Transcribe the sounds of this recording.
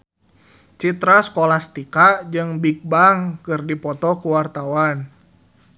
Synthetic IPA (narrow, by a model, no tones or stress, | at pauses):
t͡ʃit̪ɾaskɔlast̪ikaʔd͡ʒɨŋbik̚baŋkɨrdipɔt̪ɔkuwart̪awan